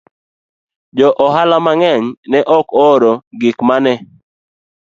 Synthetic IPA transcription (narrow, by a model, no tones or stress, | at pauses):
d͡ʒɔʔɔɦalamaŋɛɲnɛʔɔkɔɾoɡɪkmanɛ